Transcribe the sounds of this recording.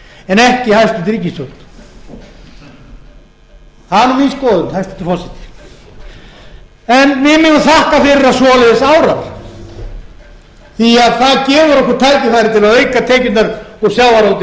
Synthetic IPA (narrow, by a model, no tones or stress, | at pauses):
ɛnɛhcɪhajst̪ɪt̪ɾic̬ːist̪œwn̥ | haðnɔminskɔːðʏnhajst̪ɛ̥ht̪ːɪ̥fɔsɪ̥t̪ɪ̥ | ɛnmɪmɪnaθahkafɪɾɪɾasɔːlɛðɪsaːwɾaɾ̥ | θiaðθaðcɛːvʏɾɔhkʏɾ̥t̪ʰajcɪfajɾɪt̪ʰɪlavejkat̪ʰɛːcʏnnaɾɔsjaːwvaɾolt̪ɪ